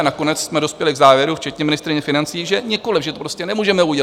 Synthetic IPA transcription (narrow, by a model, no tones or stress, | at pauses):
nako̞nɛt͡ssmɛdo̞spjɛlɪɡzaːvjɛɾuft͡ʃɛt̪ɲɛmɪnɪst̪ɾɪɲɛfɪnant͡siːʒɛɲɛko̞lɪfʒɛt̪opɾoscɛnɛmuːʒɛmɛuɟɛ